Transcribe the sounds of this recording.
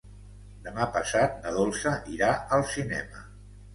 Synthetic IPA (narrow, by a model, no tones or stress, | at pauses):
d̪əmapəsat̪̚nəðolˠsəʔiɾaəlˠsinɛ̰mə